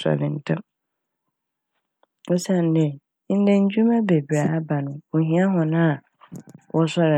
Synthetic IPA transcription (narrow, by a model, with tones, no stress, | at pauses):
sɔ̰˨lɪ̃˨n̩˦tʰã˦ | ɔ˦sã˦˨n˨dɛ̃˨˦ | n̩˦dɛ̃˦ɲ̩˦d͡ʑᶣu˦mã˦be˨bɾa˨˦ba˨nʊ̃˨o˨ɦĩ˦a˦ɦɔ̃˨nã˦a˨ | wʔɔ˦sɔ˦ɾɪ˨